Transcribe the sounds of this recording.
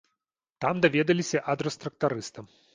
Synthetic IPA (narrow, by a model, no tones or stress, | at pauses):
t̪amd̪avʲɛd̪ɐlʲisʲɐʔɐd̪ɾɔst̪ɾɐk̚t̪aɾɨst̪ɐm